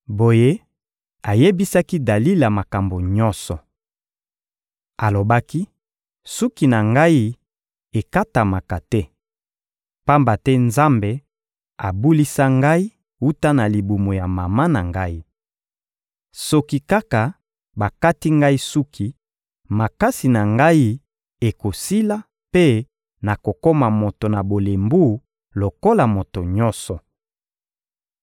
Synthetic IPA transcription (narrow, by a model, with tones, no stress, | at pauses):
bo˨je˦ | a˨je˦bi˦sa˦ki˦da˨li˦la˨ma˨ka˨mbo˨ɲɔ˦nsɔ˨ | a˨lo˨ba˦ki˦ | su˦ki˨na˨ŋɡa˦i˦ | e˨ka˦ta˨ma˨ka˨tɛ˦ | pa˦mba˨tɛ˦nza˦mbe˨ | a˨bu˦li˦sa˦ŋɡa˦i˦ | u˦ta˦na˨li˨bu˨mo˨ja˨ma˨ma˦na˨ŋɡa˦i˦ | sɔ˦ki˦ka˦ka˨ | ba˨ka˦ti˦ŋɡa˦i˦su˦kʰi˦ | ma˨ka˦si˨na˨ŋɡa˦i˦ | e˨ko˨si˦la˦ | pe˦ | na˨ko˨ko˦ma˨mo˨to˨na˨bo˨le˨mbu˦˨ | lo˨ko˦la˨mo˨to˨ɲɔ˦sɔ˨